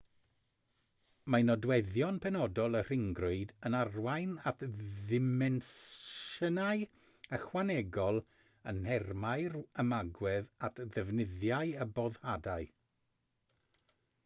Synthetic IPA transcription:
manɔdwɛðjɔnpʰɛnɔdɔlˠər̥ɪŋɡrʊɨdənarwajnatðɪmɛnʃənaɨ | əχwanɛɡɔlˠ | ənhɛrmajrəmaɡwɛðatʰðəvnɪðjaɨəbɔðhadaɨ

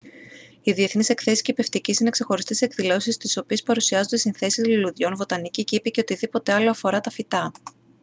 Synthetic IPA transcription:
iðie̞θnise̞kθe̞siscipe̞ft̪icisine̞kse̞xo̞ɾist̪e̞se̞kðilo̞sist̪iso̞pie̞spɐɾusiɐzo̞nd̪esinθe̞sizliluðʝo̞nvo̞t̪ɐniciceipeceo̞t̪iðipo̞t̪e̞ɐlo̞ɐfo̞ɾɐt̪ɐfit̪ɐ

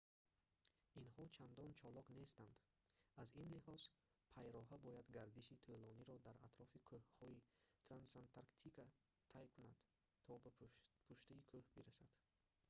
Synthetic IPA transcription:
inhɔt͡ʃʰand̪ɔnt͡ʃʰɔlɔkne̞st̪and̪ | azinlihɔz̥ | pʰajɾɔɦabɔjad̪ɡaɾd̪iʃit̪ʰulɔniɾɔd̪aɾat̪ɾɔfikʰøhhɔit̪ʰɾansant̪ʰaɾkt̪ʰika | t̪ʰːajkʰunad̪̥ | t̪ʰːɔbpʰuʃt̪iːkʰohbiɾasad̪̥

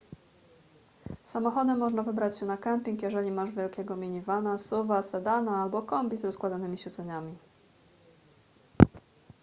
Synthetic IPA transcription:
samɔxɔd̪ɛmːɔʐnavɘbɾat͡ɕɕɛnakɛmpʲiŋkjɛʐɛlʲimaʐvʲjɛlkʲɛɡɔmʲiɲivanasuvasɛd̪anaalbɔkɔmbʲizɾɔskwad̪anɘmʲiɕɛd̪zɛɲamʲi

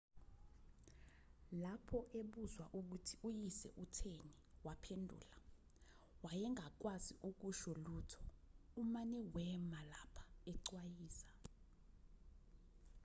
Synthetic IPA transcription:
lapʰɔʔeɓuzwaʔuk̬utʰiujisɛ̰ʔutʰeniwapʰendʱṵːla | wajɛŋʱak̬waziʔuk̬uʃɔluːtʰɔ̥umanɛwɛmalapʰḁɛǀwajiːsḁ

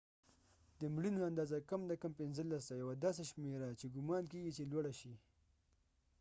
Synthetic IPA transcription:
d̪əmɽinoand̪ɑːzakamd̪akampɪnzəlːas̬t̪ajawad̪ɑːs̬aʃmeɾat͡ʃeɡʊmɑːnkeɡit͡ʃelwaɽaʃi

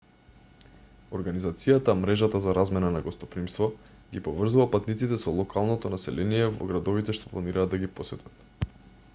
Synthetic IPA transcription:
ɔɾɡanizat̪sijat̪amɾɛʒat̪azaɾazmɛnanaɡɔst̪ɔpɾimst̪vɔ | ɡipɔvr̩zuvapat̪nit̪sit̪ɛsɔlˠɔkʰalˠnɔt̪ɔnasɛ̰lɛnijɛvɔ̰ɡɾad̪ɔvit̪ɛʃt̪ɔ̥plˠaniɾaːd̪aɡipɔsɛt̪ʰat̪

